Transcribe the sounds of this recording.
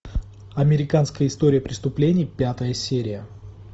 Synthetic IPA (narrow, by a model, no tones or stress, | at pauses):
ɐmʲɪɾʲɪkanskəjəɪst̪o̞ɾʲɪjəpɾʲɪst̪ʊplʲenʲɪjpʲat̪əjəsʲeɾʲɪjə